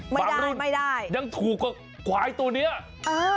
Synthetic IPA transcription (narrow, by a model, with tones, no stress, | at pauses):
ma˥aː˩˨˩a˧uː˧˥˩nma˥˩jdaː˥˩jɲa˧˩ŋt̪ʰuː˨˩kːa˧˩ | kwaː˨˧˥jt̪u˧əni˦˥ɐ | ʔɤː˧